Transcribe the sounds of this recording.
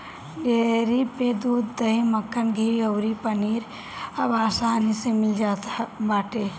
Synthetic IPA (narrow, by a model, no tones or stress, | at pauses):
ɡeɾiped̪ud̪ːəɦiməkːənɡʱiɾiəʊɾipəniɾ | əbaːsanisẽmild͡ʒat̪baːʈe